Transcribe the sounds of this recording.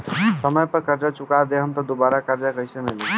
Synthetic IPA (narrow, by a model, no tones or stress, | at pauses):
səməjpəɾkəɾd͡ʒat͡ʃʊkad̪eɦəmt̪ɔd̪obaːɾakəɾd͡ʒakəɦisemele